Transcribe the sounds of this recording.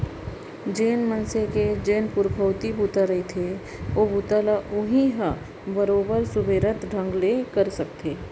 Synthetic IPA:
d͡ʒeːnmənseked͡ʒeːnpʊɾbʱəwt̪ibut̪aɾɐet̪ʰe | obut̪alaʔʊɦĩɦa | bəɾoːbəɾsʊbeːɾət̪ɖʱə̃ŋɡlekəɾsək̚t̪ʰeː

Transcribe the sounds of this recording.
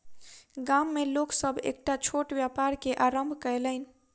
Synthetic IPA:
ɡamːeloksəbʱḛk̚ʈat͡ʃʰoʈbjapaɾkeʔaɾəmbʱkəeləɪn

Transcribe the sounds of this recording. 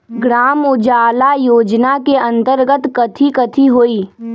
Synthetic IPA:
ɡɾaːmʊd͡ʒaːlajoːd͡ʒnakeɐ̃nt̪əɾɡət̪kɐt̪ʰikɐt̪ʰiɦoːiː

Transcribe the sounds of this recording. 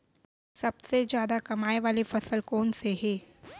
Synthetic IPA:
sɐbsed͡ʒjaːd̪akɐmaːeʋaːlefɐsəlkoːnseɦɛː

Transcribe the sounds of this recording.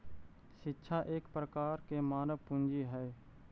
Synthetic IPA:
ʃɪtːʃʰaʔeːkpɾəkaːɾkemaːnəʋpʊ̃nd͡ʒiɦɛː

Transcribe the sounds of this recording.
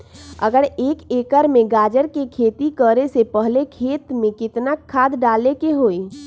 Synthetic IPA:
ə̰ɡəɾeːkeːkəɾmẽɡaːd͡ʒəɾkekʰeːt̪ikəɾesepəɦlekʰeːt̪mẽkɪt̪nakʰːaːd̪ɖaːlekeɦoːi

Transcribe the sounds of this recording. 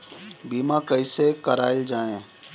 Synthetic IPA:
biːmãkɐisekɐɾaːɪld͡ʒaːẽː

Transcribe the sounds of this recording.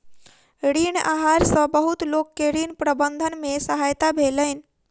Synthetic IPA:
ɽiɳaɦaɾsə̃bəɦut̪lokːeɽinpɾəbənd̪ʱənmesəɦajt̪abʱeləjn

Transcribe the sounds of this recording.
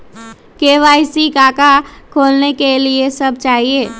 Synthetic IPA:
keːʋaːɪsikaːkakʰoːlnekeliesɐb̚t͡ʃaːɦieː

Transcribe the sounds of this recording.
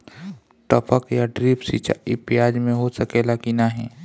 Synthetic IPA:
ʈəpəkjaɖɾiːpsḭːt͡ʃa̰ɪpɪjaːd͡ʒmẽɦosəkeːlakinaɦɛ̃ː

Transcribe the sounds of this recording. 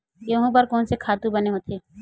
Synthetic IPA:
jɐɦũp̬ɐɾkɔːnsekʰaːt̪ũbɐneɦoːt̪ʰeː

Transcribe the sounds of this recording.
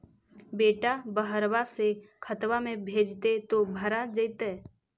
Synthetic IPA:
beːʈabəɦəɾwasekʰət̪wamẽbʱeːd͡ʒt̪et̪obʱəɾad͡ʒəjt̪ɛː

